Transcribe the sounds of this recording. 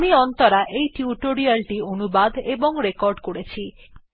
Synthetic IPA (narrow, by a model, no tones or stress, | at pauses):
miɔnt̪ɔɾaʔejʈjuʈoɾialʈionubad̪ʱebɔŋɾekɔɾɖkoɽet͡ɕʰi